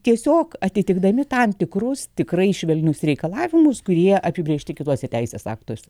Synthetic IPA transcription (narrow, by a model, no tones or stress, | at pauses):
t̪ʲiɛsʲoːkɐt̪ʲɪt̪ʲɪɡd̪ɐmʲɪt̪ɑmt̪ʲɪkrʊst̪ʲɪkrɐɪʃʲʋʲɛlʲnʲʊsɾʲɛɪkɐlˠɑːʋʲɪmʊskʊɾʲiɛʔɐpʲɪbʲieːʃʲt̪ʲɪkʲɪt̪uɔsʲɛt̪ʲɛɪsʲeːsɑ̰ːkt̪oːsʲɛ